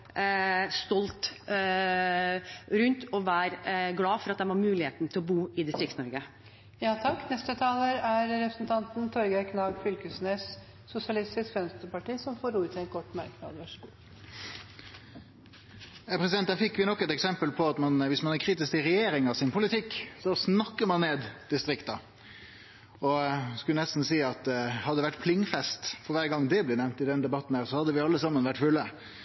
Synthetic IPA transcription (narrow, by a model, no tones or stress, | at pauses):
st̪ɔlt̪ | ɾʉnt̪ɔʋæːɾɡlɑːfɔɾɑt̪̚d̪ɛmʋɑɾmʉːlɪheːt̪n̩t̪ʰɪlɔbuːɪd̪ɪst̪ɾɪktsnɔɾɡə | jɑːt̪ʰɑkːnɛst̪ət̪ʰɑːləɾæɾɾɛpɾəsnt̪ʰɑnt̪n̩t̪ʰɔɾɡæɾkʰnɑːɡfʏlkəsnes | sʊsɪɑlɪst̪ɪskʋɛnst̪ɾəɾpɑʈiːsɔmfoːɾuːt̪ʰɛnkʰɔʈːmæɾkəmɑ̰d̪ʋɑʂɡ | jæpʰɾɛsɪd̪ɛnt̪ːæfɪkːʋɪnɔkːɛt̪ɛksɛmpəlpʰɔɑt̪mɑnʋɪsmɑnæɾkʰɾiːt̪ɪskɪʁɛjeːɾɪŋɑsɪnpʰʊlɪt̪ʰɪkːsɔsnɑkːəɾmɑnːeːd̪d̪̥ɪst̪ɾɪkt̪ɑ | ɔskʉlənɛst̪n̩siːɑt̪hɑd̪ːəʋæʈːpʰlɪŋːfɛst̪fɔɾʋæːɾɡɑŋːd̪ɛblɛnɛʋnt̪ɪd̪ɛnd̪ɛbɑt̪nhæːɾsɔhɑd̪ːəʋɪɑlːəsɑmːənʋæʈːfʉlːə